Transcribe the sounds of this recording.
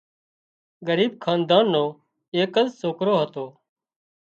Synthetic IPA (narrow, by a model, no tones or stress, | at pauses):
ɡəɾiːb̚kʰaːnd̪aːnːõː | eːkəzsoːkɾoːɦət̪oː